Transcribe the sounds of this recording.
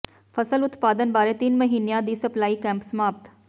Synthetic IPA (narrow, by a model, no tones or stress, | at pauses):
pʰəsəlʊt̪paːd̪ənbaːɾeːt̪ɪnməɦiːnejãːd̪iːsəplaːiːkɛ̃ːmpsəmaːpt̪